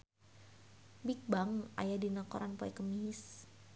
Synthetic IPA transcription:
bik̚baŋa̰jadinakɔ̰ɾʔanpɔɛkəmis

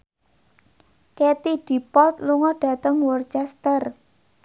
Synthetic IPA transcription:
ket̪id̥i̤pɔlt̪luŋɔɖ̥ä̤t̪əŋwɔrt͡ʃɛst̪ər

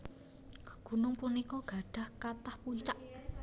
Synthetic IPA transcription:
ɡ̥ṳnʊŋpunikɔɡ̥a̤ɖ̥ä̤hkat̪ahpuɲt͡ʃaʔ

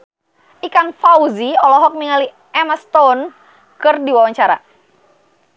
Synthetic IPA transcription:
ʔikaŋfauziɔlɔɦɔk̚miŋali | ɛmast̪ɔn | kɨrdiwawaɲt͡ʃaɾa̰

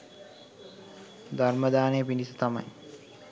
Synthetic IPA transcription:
d̪ʱarməd̪aːnejəpinisut̪amɐ̰j

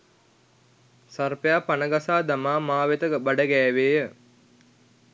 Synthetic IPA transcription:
sarpejaːpanəɡasaːd̪amaːmaːʋet̪əɡbaɖəɡɛːʋeːjə

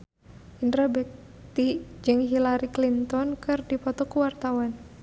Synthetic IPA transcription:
ʔindɾabɛk̚ | t̪id͡ʒɨŋɦilaɾiklint̪ɔnkɨrdipɔt̪ɔkuwart̪awan

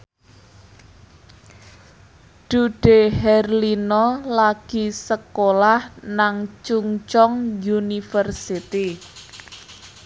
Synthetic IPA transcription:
ɖ̥uɖ̥ehɛrlinɔlaɡ̥i̤səkolahnaŋt͡ʃuŋt͡ʃɔŋjunifərsit̪i

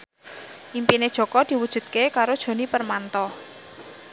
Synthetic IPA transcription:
ʔimpined̥ʒ̥ɔ̤kɔd̪̥i̤wud̥ʒ̥ṳt̪̚kekaɾod̥ʒ̥o̤nipərmant̪ɔ

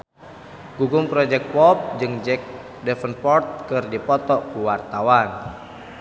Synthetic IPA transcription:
ɡ̥uɡumpɾɔd͡ʒɛk̚t̪̚pɔp̚d͡ʒɨŋd͡ʒɛk̚ | dɛfənpɔrt̪̚kɨrdipɔt̪ɔkuwart̪awan

